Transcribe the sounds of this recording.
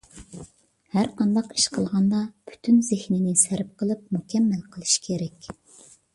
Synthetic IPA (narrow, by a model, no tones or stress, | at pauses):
hæɾqɑnd̪ɑqi̥ʃqʰəlˠʁɑnd̪ɑpʰy̥t̪ʰynzehninɪsæɾp̚qʰəlˠɨp̚mukʲʰɛmːælqʰəlˠɨʃkʲʰeɾɛkʲ